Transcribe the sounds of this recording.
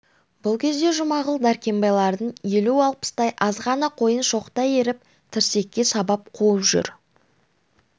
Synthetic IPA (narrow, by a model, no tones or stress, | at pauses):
bʊlˠkʲʰe̞zd̪e̞ʒʊmɑʁəlˠd̪æɾkʲe̞mbɑjlˠɑɾd̪əɴje̞luɑlˠpə̥st̪ɑjʔɑzʁɑnəqʰo̞jənʃo̞qt̪ɑjeɾɪp̚ | t̪ʰɪɾse̞kʲːe̞sɑbɑp̚qʰoəpʒ̥ʏ̰ɾ